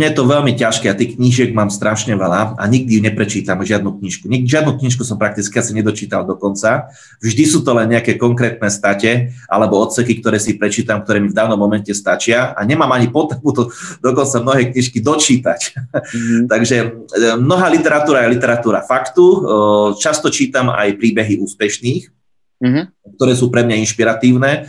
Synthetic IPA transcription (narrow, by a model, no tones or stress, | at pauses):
mɲɛjɛt̪ɔʋɛʎmicaʃkɛat̪iːxkɲiʒɪɛɡmaːmst̪ɾaʃɲɛʋɛlaa̰ɲiɡ̚d̪ijuɲɛpɾɛt͡ʃiːt̪amʒɪad̪̚nukɲiʃkuɲɛʒɪad̪nuːkɲiʃkusɔmpɾak̚t̪it͡skiasiɲɛd̪ɔt͡ʃiːt̪ald̪ɔkɔnt͡sa | vʒd̪isuːt̪ɔlɛnɲɛakɛːkɔŋkɾɛːt̪̚nɛːst̪acɛʔa̰lɛbɔɔt̪sɛkikt̪ɔɾɛːsipɾɛt͡ʃiːt̪amkt̪ɔɾɛːmivd̪aːʊnɔmːɔmɛncɛst̪at͡ʃɪaa̰ɲɛmaːmaɲipɔt̪ɛmut̪ɔd̪ɔkɔnt͡samnɔɦɛːkɲiʃkid̪ɔt͡ʃiːt̪a̰c | t̪aɡʒɛmnɔɦaːlit̪ɛɾat̪uːɾajɛlit̪ɛɾat̪uːɾa̰fakt̪ut͡ʃast̪ɔt͡ʃiːt̪ama̰jpɾiːbɛɦiuːspɛʃniːx | k̚t̪ɔɾɛːsuːpɾɛmɲainʃpiɾat̪iːʊnɛː